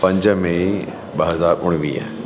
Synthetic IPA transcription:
pɐ̃ɲd͡ʑmẽ | ɓɐɦɐzaːɾʊɽ̃ʋiːɦ

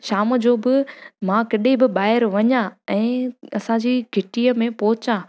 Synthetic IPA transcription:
ʃaːmə̆d͡ʑoːbɪmãkɐɗebɪɓaːɪɾʋɐɲãɛ̃ːɐsãd͡ʑiːɡʱɪʈiəmẽpɔɦʊɪt͡ɕãː

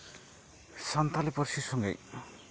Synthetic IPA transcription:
sant̪alepɔɾsisɔŋɡḛj

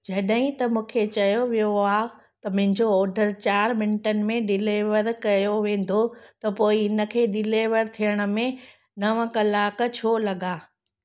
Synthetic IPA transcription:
d͡ʑɐɗɦĩt̪ɐmũːkʰet͡ɕɐjoʋijoaːɦ | t̪ɐmʊ̃ɦɪ̃ɲd͡ʑoɔːɾɖʱəɾt͡ɕaːɾmɪnʈənɪ̆mẽɖɪleːʋəɾkɐjoʋẽːn̆d̪ot̪ɐpoːiɪnə̆kʰeːɗɪleːʋəɾt̪ʰijəɽ̃ə̆mẽ | nɐʋəkɐlaːkt͡ɕʰoːlɐɠaː

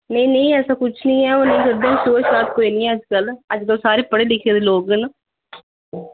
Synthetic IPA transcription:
nəĩːnəĩːɛːsaːkʊt͡ʃʰnĩːɛːoːnə̃ĩːkəd̪əmsoːt͡ʃsaːt̪ʰkoːiːnĩːɛːəd͡ʒkələd͡ʒkəlsaːɾeːpəɽeːlɪkʰeːd̪eːloːɡn

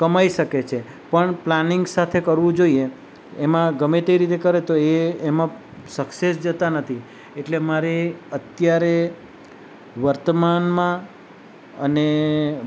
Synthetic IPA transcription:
kəmaiʃəket͡ʃʰe | pəɳplanɪŋɡsat̪ʰekəɾʋũd͡ʒoieː | mãɡəmet̪eɾit̪ekəɾet̪oeːmã | səksesd͡ʒət̪anət̪ʰi | eʈlemaɾeət̪jaɾe | ʋəɾt̪əmanmã | ə̰ne

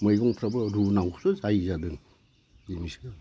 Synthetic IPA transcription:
mɯjɡɔŋpʰɾabɯɾunaŋusuzajzadɯŋ | imis

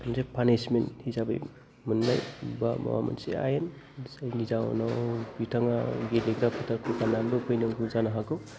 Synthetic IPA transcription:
msepʰanesmenthisabɯ̰j | mɯnːajbama̰wa̰mɐ̰nsḛa̰jen | sajnizaw̰nɔwbitʰaŋaɡeleɡɾapʰɯtʰaɾkʰukʰanamdɯpʰɯjnɯŋɡuzanaɦakɯw

